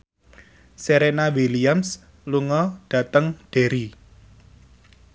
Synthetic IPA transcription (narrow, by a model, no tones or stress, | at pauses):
seɾenawiliams | luŋɔɖ̥ä̤t̪əŋɖ̥e̤ɾi